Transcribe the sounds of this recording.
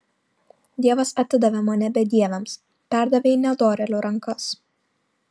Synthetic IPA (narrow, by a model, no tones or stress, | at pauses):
d̪ʲiɛʋɐsɐt̪ʲɪd̪ɐʋʲɛmɐnʲɛbʲɛd̪ʲiɛʋʲɛms | pʲæˑɾd̪ɐʋʲeːɪnʲɛd̪oːɾʲɛlʲʊɾɐŋˑkɐs